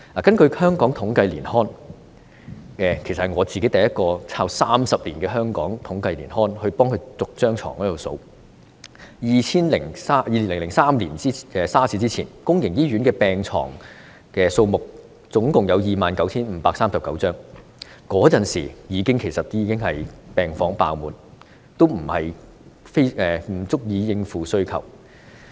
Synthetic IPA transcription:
laː˨˩kɐ˥nkɵ˧ɥhœː˥ŋkɔː˨˥ŋt̪ʰʊ˨˥ŋkɐ˧jliː˨˩nhɔː˥n | ɛː˧kʰe˨˩jsɐ˨hɐ˩ŋɔː˨˧t͡siː˨ke˨˥jt̪ɐ˨jɐ˥t̚kɔː˧t͡sʰaː˧wsaː˥msɐ˨p̚liː˨˩nkɛː˧ɦœː˥ŋkɔ̰ː˨˥ŋt̪ʰʊ˨˥ŋkɐ˧jlḭː˨˩nhɔː˥nhɵ˧ɥpɔː˥ŋkʰɵ˧ɥt͡sʊ˨k̚t͡ʃœː˥ŋt͡sʰɔ̰ː˨˩ŋkɔ˨˥o˨˧˩so˧w | jiː˨t͡sʰiː˥nlɪ˨˩ŋsaː˥jiː˨˧li˨˩nlŋlɪ˨˩ŋsaː˥mliː˨˩nt͡si˥ɛ˨˧saː˥sʰiː˧˥t͡siː˥t͡sʰiː˨˩nkʊ˥ŋjɪ˨˩ŋjiː˥ɥyː˨˥nkɛː˧pɛː˨˧ŋt͡sʰɔ̰ː˨˩ŋ | kɛː˧so˧wmʊ˨k̚ | t͡sʊ˨˥ŋkʊ˨ŋjɐ˨˧wjiː˨maː˨nkɐ˨˥wt͡sʰiː˥nm̩ː˨˧˥paː˧k̚saː˥msɐ˨p̚kɐ˨˥wt͡sœː˥ŋ | kɔː˨˥t͡sɐ˨nsḭː˨˩jiː˨˧kɪ˥ŋkʰe˨˩sɐ˨t̪̚ːjiː˨˧kɪ˥ŋhɐ˨jpɛː˨ŋfɔː˨˥ŋpa̰ː˧wmuː˨n | t̪o˥wm̩˨˩hɐ˨j | fe˥jɛː˨˩m̩˨˩t͡sʊ˥k̚jiː˧jɪ˧ŋfuː˨sɵ˥ɥkʰɐ̰˨˩w

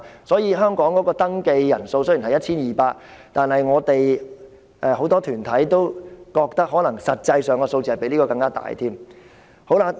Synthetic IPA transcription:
sɔː˨˥jiː˨˧ɦœː˥ŋkɔː˨˥ŋkɔː˨˥kɔː˧t̪ɐ˥ŋke˧jːɐ˨˩nso˧wsɵ˥jhɐ˨jɐ˥t̚t͡ɕʰiː˥njiː˨˩paː˧k̚t̪aː˨nhɐ˨jŋɔː˨˧t̪e˨j | ʔɛː˨˧ho˨˥wt̪ɔː˥t̪ʰyː˨˩nt̪ʰɐ˨˥jt̪o˥wkɔː˧k̚t̪ɐ˥k̚ɦɔː˨˥lɐ˨˩ŋsɐ˨t̚t͡sɐ˧jsœː˨ŋkɔ˧so˧wt͡st͡ɕiː˨hɐ˨˩pe˨˥jliː˥kɔː˧kɐ˧ŋkaː˥t̪a̰ː˨˩jt̪ʰiː˥m | ho˨˥wla˧˥

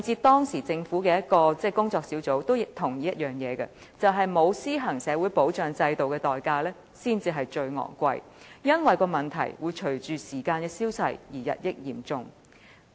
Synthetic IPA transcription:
t͡siː˧t̪ɔː˥ŋsiː˨˩t͡sɪ˧ŋfuː˨˥kɛː˧jɐ˥t̚kɔː˧t͡sɛː˥kʊ˥ŋt͡sɔː˧k̚siː˨˥wt͡so˨˥wt̪o˥wjɪ˨˧k̚t̪ʰʊ˨˩ŋjiː˨˥jɐ˥t̚jœː˨˩ŋjɛː˨˧ɡɐ̰˧ | t͡sɐ˨wɦɐ˨jmo˨˧wsiː˥ɦɐ˨˩ŋsɛː˨˧wuː˨˥jpo˨˥wt͡ʃœː˨ŋt͡sɐ˧jt̪o˨wkɛː˧t̪ɔː˨˩jkaː˧lɛː˥ | siː˥nt͡siː˧ɦɐ˨jt͡ʃɵ˧ɥŋɔ̰ː˨˩nkʷɐ̰˧j | jɐ˥nwɐ˨˩jkɔː˧mɐ˨˩nt̪ʰɐ̰˨˩jwuː˨˧jt͡ʃʰɵ˨˩ɥt͡ʃyː˨siː˨˩kaː˧nkɛː˧siː˥wsɐ̰˨jjiː˨˩jɐ̰˨t̚jɪ˥k̚jiː˨˩mt͡sʊ˨ŋ

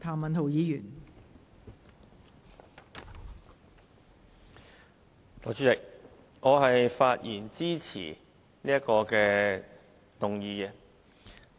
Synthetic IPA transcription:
t̪ʰaː˨˩mɐ˨nt̪ʰo˨˩wjiː˨˧jyː˨˩n | lɔː˨˩t͡ʃyː˥t͡sɪ˨k̚ | ŋɔː˨˧ɦɐ˨jfaː˧t̚jḭː˨˩nt͡siː˥t͡sʰḭː˨˩ | liː˥ɐ˥kɔː˧kɛː˧ | t̪ʊ˨ŋjiː˨˧ɛ˧

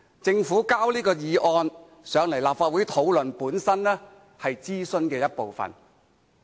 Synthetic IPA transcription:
t͡sɪ˧ŋfuː˨˥kaː˥wliː˥kɔː˧jiː˨˧ʔɔː˧n | sœː˨˧ŋlɐ˨˩jlaː˨p̚faː˧t̚wuː˨˥jt̪ʰo˨˥wlɵ˨npuː˨˥nsɐ˥nlɛː˥ | hɐ˨jt͡siː˥sɵ˥nkɛː˧jɐ˥t̚po˨wfɐ̰˨˩n

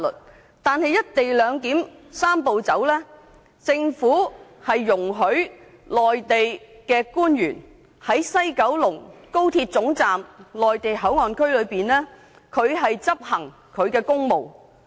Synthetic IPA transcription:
lɵ̰˨˩t̚ | t̪aː˨nhɐ˨jːɐ˥t̚t̪e˨jlœː˨˧ŋk̪iː˨˥msaː˥mpo˨wt͡sɐ˨˥wlɛː˥ | t͡sɪ˧ŋfuː˨˥hɐ˨jːʊ˨˩ŋɦɵ˨˥ɥ | lɔː˨jt̪e˨jkɛː˧kuː˥njyː˨˩n | hɐ˨˥jsɐ˥jkɐ˨˥wlʊ˨˩ŋko˥wt̪ʰiː˧t̚t͡sʊ˨˥ŋt͡saː˨mlɔː˨jt̪e˨jɦɐ˨˥wŋɔː˨nkʰɵ˥ɥlɵ˨˧ɥpiː˨nlɛː˥ | kʰɵ˨˧ɥɦɐ˨jt͡sɐ˥p̚hɐ˨˩ŋ | kʰɵ˨˧ɥkɛː˧kʊ˥ŋmo˨w

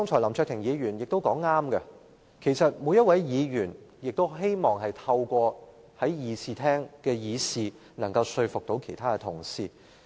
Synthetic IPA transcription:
ɔ˥ŋt͡ʃʰɔː˨˩lɐ˨˩mt͡ʃʰœː˧t̪ʰɪ˨˩ŋjiː˨˧ɥyː˨˩njɪ˨k̚t̪o˥wkɔː˨˥ŋːaː˥mkɐ˧ | kʰe˨˩jsɐ˨t̚mu˨˧˥jɐ˥t̚wɐ˨˥jjiː˨˧jyː˨˩n | jɪ˨k̚t̪o˥wɦe˥jmɔː˨˩ŋɦɐ˨jt̪ʰɐ˧wkʷɔː˧ | hɐ˨˥jjiː˨˧siː˨˩t̪ʰɛː˥ŋkɛː˧jiː˨˧siː˨ | nɐ˨˩ŋkɐ˧wsɵ˧ɥfʊ˨k̚t̪o˨˥wkʰe˨˩jt̪ʰaː˥kɛ˧t̪ʰʊ̰˨˩ŋsiː˧

